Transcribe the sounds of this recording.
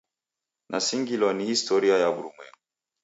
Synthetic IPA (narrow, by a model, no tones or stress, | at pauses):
nʔasiŋɡilɔnihistɔɾiajaɓuɾumwɛ̰ŋɡu